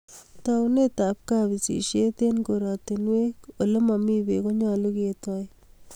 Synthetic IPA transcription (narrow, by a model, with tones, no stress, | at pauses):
taune˦ta˨p̚kabi˨sḭ˨ʃe˦t̪e˦nko˨ɾɑ˨tinwe˦ko˨le˦ma˨mi˦beko˦ɲa˦lu˦ke˨tɔ˦j